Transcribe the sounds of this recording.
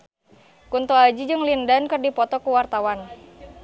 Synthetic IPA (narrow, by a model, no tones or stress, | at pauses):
kunt̪ɔad͡ʒid͡ʒɨŋlindankɨrdipɔt̪ɔkuwart̪awan